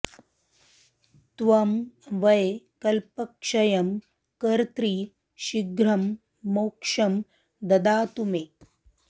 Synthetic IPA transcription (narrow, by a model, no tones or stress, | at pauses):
t̪ʋɐmʋɐjkɐlpɐkʂɐjɐm | kɐɾt̪ɾi | ʃiɡɾɐmː | owkʂɐm | d̪ɐd̪aːt̪umeː